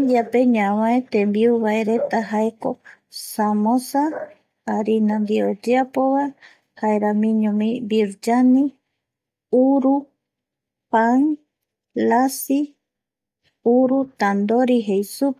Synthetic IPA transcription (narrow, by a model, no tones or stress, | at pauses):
apeɲãwãet̪embiuβaeɾet̪aɦaeko | samõsaː | ɾinand̪iod͡ʒeapoβa | haeɾamĩɲõmĩbiɾd͡ʒani | uɾu | paŋ | lasi | uɾut̪and̪oɾiɦejsu